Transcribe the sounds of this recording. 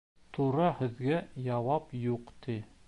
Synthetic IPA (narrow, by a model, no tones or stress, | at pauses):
t̪uɾɑhɘ̆ðɡæjɑwɑpjuqt̪i